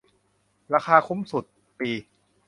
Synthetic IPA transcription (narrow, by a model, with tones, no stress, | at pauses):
ɾaː˧kʰaː˧kʰu˦˥˦msu˨˩t̪̚ | piː˧